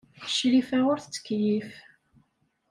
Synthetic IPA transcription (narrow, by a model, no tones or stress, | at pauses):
əʃlifæʊɾθət͡sːə̥kːjif